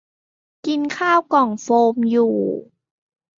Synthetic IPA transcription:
ki˧nkʰaː˥˩wkɔ˨˩ŋfoː˧mjuː˨˩

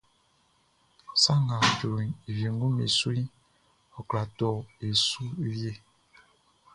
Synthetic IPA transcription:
sa˦ŋa˨d͡ʒu˨ɾi˨ni˨vji˨ŋ˦ɡu˦mḭ˨swi˦ | ɔ˨kla˨tɔ˨e˨su˦ɾje˦

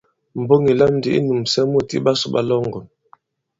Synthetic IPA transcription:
m̩˨bo˦ŋi˨la˦m˨˦di˨ḭ˦nu˨msɛ˦mu˦˨tḭ˦ba˦su˨ba̰˦lɔ˦ŋɡɔ˨n

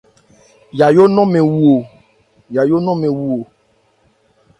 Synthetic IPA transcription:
ja˨jo˦nɔ̃˦mẽ˨wu˨o˨ | ja˨jo˦nɔ̃˦mẽ˨wu˨o˨

